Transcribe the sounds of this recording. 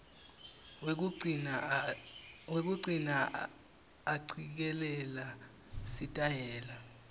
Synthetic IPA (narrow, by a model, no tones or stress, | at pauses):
wek̬uǀinaː | ǀʰik̬ɛlɛla | sitʼaɦɛːla